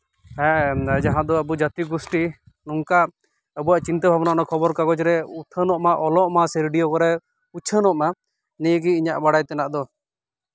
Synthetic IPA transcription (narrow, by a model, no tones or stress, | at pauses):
hɛ̃d͡ʒaɦãd̪ɔəbud͡ʒat̪iɡusʈi | nuŋka | əbujaʔt͡ʃint̪əbʱabɔnanakʰɔbɔɾkaɡɔt͡ʃɾɛut̪ʰənɔʔmaʔɔlɔʔmasɛɾiɖijɔkɔɾɛ | ut͡ʃʰənɔʔma | nɛɡiiɲaʔbaɽajt̪ɛnaʔd̪ɔ